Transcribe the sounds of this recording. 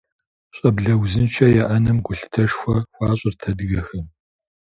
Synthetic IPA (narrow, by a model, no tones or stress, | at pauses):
ɕʼɐbɮɐwzɨnt͡ʃʰɐjɛʔɐnɨmɡʷʊɬɨ̥tʰɐʃxʷɐxʷɑːɕʼɪrtʰɐdɨɣɐxɐm